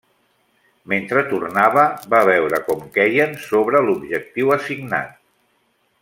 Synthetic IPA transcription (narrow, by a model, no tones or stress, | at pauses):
ment̪ɾət̪urnaβəbaβɛwɾəkɔmkɛjənsoβɾəlubʒək̚t̪iwəsiɡna̰t̪̚